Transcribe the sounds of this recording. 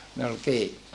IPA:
ne ol kiː

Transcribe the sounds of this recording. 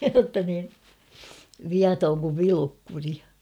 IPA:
jotːɑ niː ʋiɑtoŋ kuʋ ʋilukːuri

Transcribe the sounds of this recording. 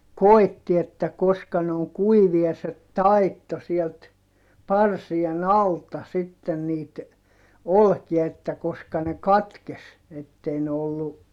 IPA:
koi̯tːi etːæ koskɑ ne oŋ kuiʋiɑ se tɑitːo sielt pɑrsien ɑltɑ sitːen niːt olkiɑ etːæ koskɑ ne kɑtkes etːei ne olːu

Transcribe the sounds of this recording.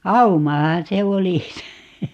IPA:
ɑumɑhɑ̃ː se oli se

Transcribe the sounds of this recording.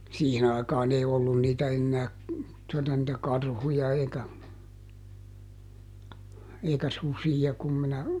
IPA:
siːhin ɑikɑːn ei olːun niːtæ enːæː tuotɑ nĭtæ kɑrhujɑ eikæ eikæ susijɑ kum minæ

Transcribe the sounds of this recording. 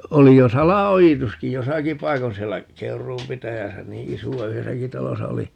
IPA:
oli jo sɑlɑojituski josɑki pɑikon sielːæ keurˑuːm pitæjæsæ niː isuɑ yhesæki tɑlosɑ oli

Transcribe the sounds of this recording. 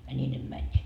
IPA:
jɑ nʲiː ne mænʲːiːt

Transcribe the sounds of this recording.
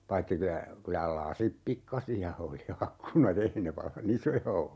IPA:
pɑitːi kylæ kylæ lɑsip pikːɑsiɑ oli ɑkːunɑt ei ne ʋɑlːɑn isojɑ olːu

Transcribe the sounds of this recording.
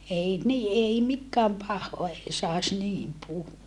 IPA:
ei ni ʔei mikːæːm pɑhːoɑ ei sɑˑes niːm puhuʋɑ

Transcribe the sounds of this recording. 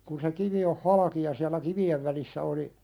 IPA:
kun se kiʋi oh hɑlɑki jɑ siælˑæ kiʋieʋ ʋælisːæ oli

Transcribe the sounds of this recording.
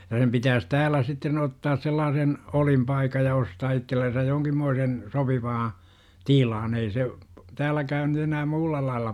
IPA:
jɑ sem pitæːs tæːlæ sitːen otːɑːs selːɑːsen olimpɑikɑj jɑ ostɑː itːelːensæj joːŋkimːoisen sopiʋɑː tilɑn ei se tæːlːækæːn nyt enæː muːlːɑ lɑːlːɑ

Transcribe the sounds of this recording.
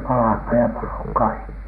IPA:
pɑlɑhmɑːn jɑ pɑlo kɑikːi

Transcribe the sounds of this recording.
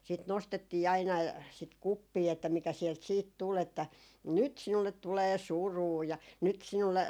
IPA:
sit nostetːiː ɑinɑ sit kupːiː etːæ mikæ siɛlt siːt tul etːæ nyt sinulːet tuleː suruː jɑ nyt sinulːe

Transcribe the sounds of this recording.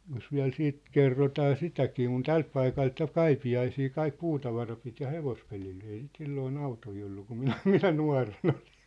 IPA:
jos ʋiæ̝l siːt kerːotɑː sitækiː kun tælt pɑikɑlt jɑ kɑipiɑisiː kɑik puːtɑʋɑrɑ pit jɑ heʋospelil ei sit silːoːn ɑutoi olːu kum minæ minæ nuɑ̝ren ol̥i̥n̥

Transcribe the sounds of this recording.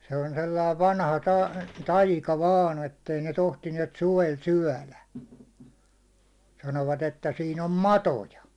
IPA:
se on selːɑi ʋɑnhɑ tɑ tɑikɑ ʋɑːn etːei ne tohtiniɛt suʋel syæ̹læ sɑnoʋɑt etːæ siːn om mɑtojɑ

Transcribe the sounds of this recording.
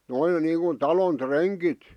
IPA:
noiŋ niːŋkun tɑlon treŋkit

